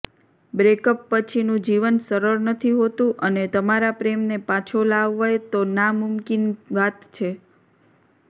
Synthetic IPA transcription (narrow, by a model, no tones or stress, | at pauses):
bɾekəpːət͡ʃʰinũd͡ʒiʋənsəɾəɾnət̪ʰiɦot̪ũʔənet̪əmaɾapɾemnepat͡ʃʰolaʋːajt̪onamʊmkinʋat̪t͡ʃʰe